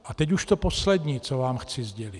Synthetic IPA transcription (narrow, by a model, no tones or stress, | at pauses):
ʔat̪ɛcuʃt̪oposlɛd̪ɲiːt͡sovaːmxt͡sɪzɟɛlit̪